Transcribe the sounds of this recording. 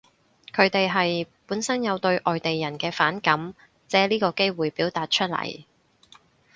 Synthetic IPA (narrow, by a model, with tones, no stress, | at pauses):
kʰɵ˨˧ɥt̪e˨jɦɐ˨jpuː˨˥nsɐ˥njɐ˨˧wt̪ɵ˧ɥʔɔː˨jt̪e˨jːɐ˨˩nkɛː˧faː˨˥nkɐ˨˥m | t͡sɛː˨˥liː˥kɔː˧ke˥jwuː˨jpiː˨˥wt̪aː˨t̚t͡ʃʰɵ˥t̚lɐ̰˨˩j